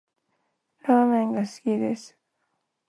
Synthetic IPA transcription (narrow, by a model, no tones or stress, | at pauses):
ɾaːmẽ̞ŋɡasɨ̥kʲid̪esɨ̥